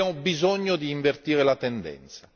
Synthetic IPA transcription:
amobizoɲːod̪iːɱvert̪iːɾelat̪ɛnd̪ɛ̰nt̪sa

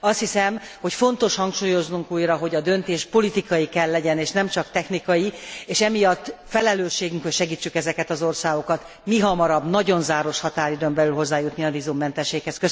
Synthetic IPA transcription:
ɒst̪hisɛm | ho̞cfo̞nt̪o̞ʃhɒŋkʃuːjo̞znuŋkuːjɾɒɦo̞ɟɒd̪ø̞nt̪eːʃpo̞lit̪ikɒjikɛlːɛɟɛneːʃnɛmt͡ʃɒkt̪ɛxnikɒjieːʃɛmijɒt̪ːfɛlɛløːʃːeːɡyŋkhocʃɛɡiːt͡ʃːykɛzɛkɛt̪ɒzo̞rsaːɡo̞kɒt̪ | miɦɒmɒɾɒbnɒɟo̞nzaːɾo̞ʃhɒt̪aːɾid̪ømbɛlylɦo̞zːaːjut̪niɒvizumːɛnt̪ɛʃːeːkhɛskø

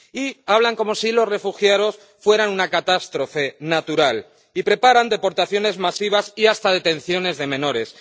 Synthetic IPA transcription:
iaβlaŋko̞mo̞silo̞sre̞fuxjaðo̞s | fwe̞ɾanunakat̪ast̪ɾo̞fe̞nat̪uɾal | ipɾe̞paɾand̪e̞po̞ɾt̪aθjo̞ne̞zmasiβ̞asiast̪aðe̞t̪e̞n̟θjo̞ne̞zðe̞mẽ̞no̞ɾe̞s

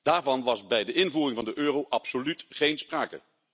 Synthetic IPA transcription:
d̥aːɹvɑnʋɑzbɛjdəʔɪnvuːrɪŋvɑndəʔøːrowʔɑpsolytχejnspraːkə̰

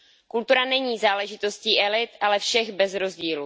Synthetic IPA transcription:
kult̪uɾanɛɲiːzaːlɛʒɪt̪o̞sciːʔɛlɪt̪ʔalɛfʃɛɣbɛzɾo̞zɟiːlu

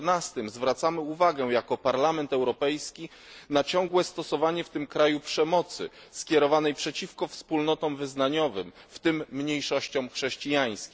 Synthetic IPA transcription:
nast̪ɘmzvɾat̪samɘuvaɡɛjakɔpaɾlamɛnt̪ɛwɾɔpɛjskʲi | nat͡ɕɔŋ̃ɡwɛst̪ɔsɔvaɲɛft̪ɘmkɾajupʂɛmɔt̪sɘ̰skʲjɛɾɔvanɛjpʂɛt͡ɕifkɔfspulnɔt̪ɔ̃mvɘznaɲɔvɘmft̪ɘmːɲejʂɔɕt͡ɕɔ̃mxʂɛɕt͡ɕijaj̃skʲi

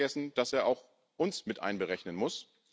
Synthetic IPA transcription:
ɛsn̩d̥aseːɐʔaʊx | ʔʊnsmɪtʔa̰ɪnbəʁɛçnənmʊs

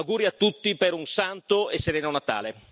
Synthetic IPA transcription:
ɡuːɾiat̪ːut̪ːipeɾunsant̪oesːeɾɛːnonat̪a̰ːle

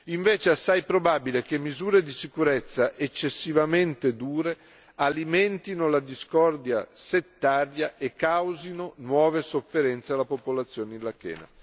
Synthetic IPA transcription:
iɱveːt͡ʃeasːajpɾobaːbilek̟emːizuːɾed̪isikuɾet̪sːaʔet͡ʃːesːivament̪ed̪uːɾe | alimɛnt̪inolad̪iskɔrd̪jaset̪ːaːɾjaʔekːawzinonwɔːvesofːeɾɛnt̪sealːapopolat̪sːjoːneinlakɛ̰ːna̰

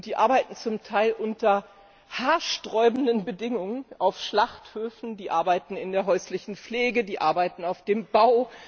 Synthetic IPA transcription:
d̥iːʔa̰ɐbaɪtn̩t͡sʊmtʰaɪlʔʊntɐ | haːɐʃtʁ̥ɔʏbn̩dənbədɪŋʊŋənʔaʊfʃlaχthøːfn̩diːʔaɐbaɪtn̩ɪndeːɐɦɔʏslɪçn̩p͡fleːɡədiːʔa̰ɐbaɪtn̩aʊfd̥eːmbaʊ

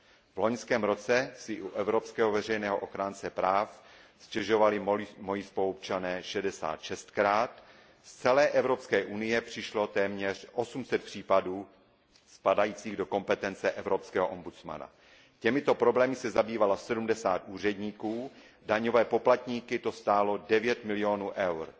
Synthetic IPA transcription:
vlo̞ɲskɛːmɾo̞t͡sɛsɪʔuʔɛvɾo̞pskɛːɦovɛrɛjnɛːɦoʔoxɾaːnt͡sɛpɾaːf | scɛʒo̞valɪmo̞jispoop̚t͡ʃanɛːʃɛdɛsa̰ːt̪ʃɛst̪kɾaːt̪ | st͡sɛlɛːʔɛvɾo̞pskɛːʔunɪjɛpr̝̥ɪʃlo̞t̪ɛːmɲɛr̝ʔo̞sumsɛt̪̚pr̝̥iːpaduː | spadajiːt͡siːɣdo̞ko̞mpɛt̪ɛnt͡sɛʔɛvɾo̞pskɛːɦoʔombut͡sma̰na̰ | cɛmɪt̪o̞pɾo̞blɛːmɪsɛzabiːvalasɛdumdɛsa̰ːt̪ʔuːr̝ɛdɲiːkuː | daɲo̞vɛːpo̞plat̪ɲiːkɪt̪o̞st̪aːlo̞dɛvjɛt̪mɪlɪo̞nuːʔɛwɾ

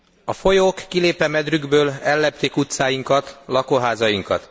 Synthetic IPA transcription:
ɒfo̞joːkːileːpɛmɛd̪ryɡbøːlɛlːɛpt̪ekut̪saːjiŋkɒt̪lɒkoɦaːzɒjiŋkɒ̰t̪

